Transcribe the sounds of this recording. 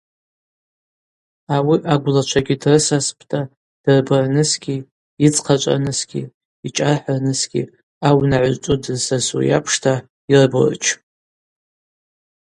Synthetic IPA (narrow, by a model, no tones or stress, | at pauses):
awiʔaɡʷlat͡ʃʷʰaɡʲidrɨsaspʰʼtʼa | d̥ɨrbɨrnɨsɡʲiː | t͡sʼqʰat͡ʃʷʼa̰nɨsɡʲḭː | t͡ʃʼarħarnɨsɡʲḭ | awnaʕʷʊzt͡ʃʼudɨrsasṵja̰pʰʂtʰa | irbɨ̰rt͡ʃʰ